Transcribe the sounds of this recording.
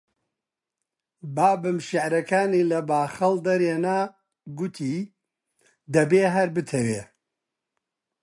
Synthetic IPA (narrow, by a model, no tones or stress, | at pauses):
baːbɨmʃɪʕɾɐkʰaːniːlɐbaːxɐld̪ɐɾeːnaː | ɡʊt̪ʰiː | d̪ɐbeːɦɐɾbɨt̪ʰɐweː